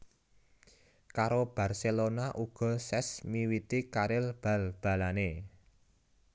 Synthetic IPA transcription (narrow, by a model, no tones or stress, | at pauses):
kaɾob̥a̤rselonaʔuɡ̥ɔ̤sɛsmiwit̪ikaɾɪlb̥a̤lb̥a̤lane